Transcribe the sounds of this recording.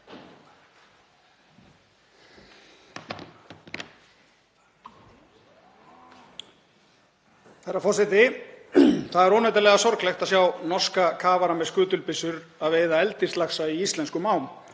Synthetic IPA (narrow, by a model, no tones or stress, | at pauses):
θɛrːafɔ̥sɪt̪ɪ | θaðɛɾɔːnat̪ɾlɛɣasɔɾklext̪aðsjawnɔrskakʰaːvaɾamɛðskʏːt̪ʏlpɪsʏɾaðveːjðaɛlt̪ist̪laxsaiist̪lɛnskʏmaːwn